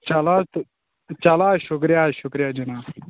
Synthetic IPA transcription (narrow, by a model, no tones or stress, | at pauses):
t͡ʃala | t͡ʃalaːʃukɾijaːɕukɾijaːd͡ʑinaː